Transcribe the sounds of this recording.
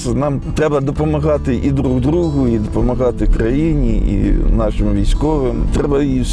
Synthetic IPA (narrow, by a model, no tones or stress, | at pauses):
nɑmt̪ɾɛbɐd̪ɔpɔmɐɣɑt̪ɪʔid̪ɾuɣd̪ɾuɦʊid̪ɔpɔmɐɦɑt̪ɪkɾɐjinʲiḭnɑʃɪmʋʲijsʲkɔʋɪmt̪ɾɛbɐis